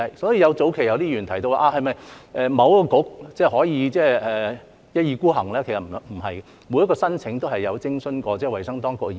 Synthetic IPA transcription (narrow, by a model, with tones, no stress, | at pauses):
ɐ˨jsɔː˨˥jiː˧jɐ˨˧wt͡so˨˥wkʰe˨˩jɐ˨˧wt̪iː˥jyː˨˩nt̪ʰɐ˨˩jt̪o˧waː˧ʔaː˧hɐ˨jmɐ˨jʔɛː˨˧mɐ˨˧wkɔː˧kʊ˨˥k̚t͡sɛː˥˩hɔː˨˥jiː˨˧t͡sɛː˥˩ɛː˨˩ | jɐ˥t̚jiː˨˧kuː˥ɦɐ˨˩ŋlɛː˥kʰe˨˩sɐ˨˩˧t̚m̩˨˩ɦɐ̰˨j | mu˨˧jɐ˥tkɔː˧sɐ˥nt͡sʰɪ˨˥ŋt̪o˥wɦɐ˨jːɐ˨˧wt͡sɪ˥ŋsɵ˥nkɔː˧t͡sɛː˥˩wɐ˨˩jsɐ˥ŋt̪ɔː˥ŋkʊ˧kː